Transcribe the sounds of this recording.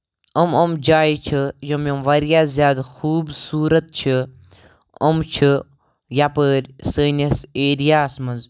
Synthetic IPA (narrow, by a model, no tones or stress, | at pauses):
əmɐmd͡ʒaːit͡ʃʰəjɐmjɐmʋɐɾjaːzʲjaːd̪xuːbsuːɾɐt̪̚t͡ʃʰi | ɐmt͡ʃʰi | japəɾʲsəːnʲɐseːɾijaːsmɐnz